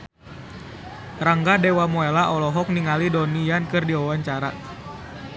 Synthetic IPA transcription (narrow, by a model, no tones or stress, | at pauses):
raŋɡadewamoelaʔɔlɔɦɔk̚niŋalidɔnijankɨrdiwawaɲt͡ʃaɾa̰